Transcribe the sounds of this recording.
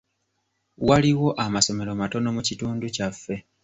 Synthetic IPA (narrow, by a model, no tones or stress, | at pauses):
waliwo̞ʔamaso̞me̞ɾo̞mato̞no̞mucituːnducafːe̞